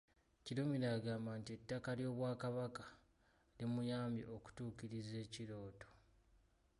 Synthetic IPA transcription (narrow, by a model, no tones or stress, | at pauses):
ciɾumiɾaːɡaːmbantie̞tːakaljo̞ːβwaːkaβakḁ | limujaːmḭʔo̞ku̥tuːciɾize̞ːciɾo̞ːto̞̥